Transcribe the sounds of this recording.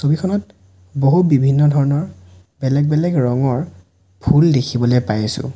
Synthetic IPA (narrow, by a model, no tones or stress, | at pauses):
sobikʰɔnɔt̚ | boɦubibʱinːɔdʱɔɹɔnɔɹ | bɛlɛɡ̚bɛlɛɡɹɔŋɔɹ | bʰʱuldekʰibɔlejpajsʊ̰̃